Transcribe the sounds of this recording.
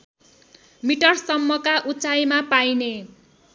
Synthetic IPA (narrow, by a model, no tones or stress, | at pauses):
miʈʌrsʌmːʌkaʔut͡sajmapajne